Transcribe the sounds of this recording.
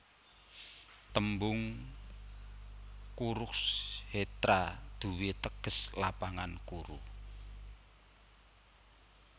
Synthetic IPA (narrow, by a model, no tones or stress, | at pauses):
t̪əmbʊŋ | kuɾʊkshet̪ɾad̪̥ṳwet̪əɡ̥ə̤slapaŋankuɾṵ